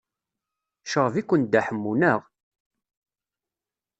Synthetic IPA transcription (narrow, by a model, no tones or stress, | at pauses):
ʃəʁˤvikʷːən̚d̪æħəmːunəʁ